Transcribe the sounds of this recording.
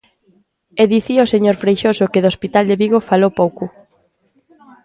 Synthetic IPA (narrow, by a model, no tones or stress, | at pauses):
eðiθioseɲoɾfɾejʃosʊkeðospit̪ald̪eβiɣofalowpowkʊ